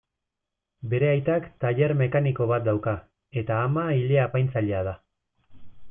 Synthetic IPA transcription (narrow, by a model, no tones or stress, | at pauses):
be̞ɾe̞ajt̪akt̪aʎe̞ɾme̞kaniko̞β̞at̪̚d̪awka | e̞t̪aːmaileapajnt͡saʎeaða